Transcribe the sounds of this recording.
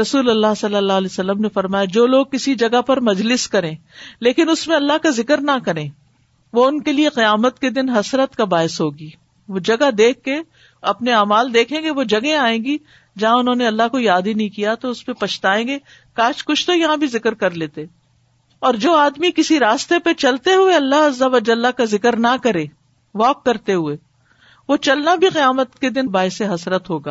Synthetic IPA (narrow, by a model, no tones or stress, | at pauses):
ɾɐsuːlɐlːaɦsɐlːəlːaːɦlɛːsɐlːəmnefɐɾmaːjad͡ʒoːloːɡ̚kɪsid͡ʒɐɡapɐɾmɐd͡ʒlɪskɐɾẽːleːkɪnʊsmẽɐlːaɦkazɪkəɾnakɐɾẽː | ʋoʊnkelieqijaːmət̪ked̪ɪnɦɐsɾət̪kabaːɪsɦoːɡiː | ʋod͡ʒɐɡad̪eːkʰːe | ɐpneaːmaːld̪eːkʰẽːŋɡeʋod͡ʒɐɡẽaːẽːɡi | d͡ʒɐɦãʊnɦõneɐlːaɦkojaːd̪inɐɦĩkijat̪oʊspepɐt͡ʃʰt̪aːẽːɡe | kaːt͡ʃkʊt͡ʃʰt̪ojɐɦãbʱizɪkəɾkɐɾleːt̪e | ɔːɾd͡ʒoːaːd̪mikɪsiɾaːst̪epet͡ʃɐlt̪eɦueɐlːaɦɐzːəʋɐd͡ʒɐlːakazɪkəɾnakɐɾẽː | ʋɔːkːɐɾt̪eɦueː | ʋot͡ʃɐlnabʱiqɪjaːmət̪ked̪ɪnbaːɪseɦɐsɾət̪ɦoːɡaː